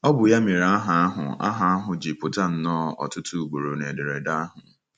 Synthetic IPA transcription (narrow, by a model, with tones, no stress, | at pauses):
ɔ˦bʊ˨ja˦mi˨ɾa˦a˦ɦa˨a˦ɦʊ̰˨a̰˦ɦa˨a˦ɦʊ˨d͡ʒi˨pʊ˨ta˦n̩˨nɔː˦ɔ̰˨tʊ˦tʰu˦u˨ɡ͡bo˨ɾo˨ne˨dɪ˨ɾe˨da˦a˦ɦʊ˨